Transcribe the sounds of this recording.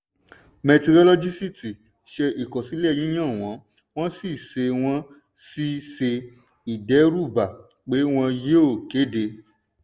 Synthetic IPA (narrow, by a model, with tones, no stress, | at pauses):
mɛ˧ti˧ɾɔ˧lɔ˧d͡ʒi˦si˦ti˨ | ʃe˧ʔi˨kɔ˨si˨˦lɛ˦˨j̃ĩ˨˦j̃ã˦˨w̃ɔ̃˨˦ | w̃ɔ̃˦si˦˨se˧w̃ɔ̃˦ | si˦se˧ | i˨dɛ˨˦ɾu˦˨ba˨ | k͡pe˨˦w̃ɔ̃˧je˦o˦˨ke˨˦de˧